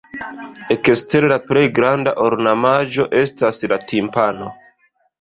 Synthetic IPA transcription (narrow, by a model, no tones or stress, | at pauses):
ekeste̞ɾlapɾe̞jɡɾandaʔoɾnamaʒo̞ʔe̞staslatʰimpano̞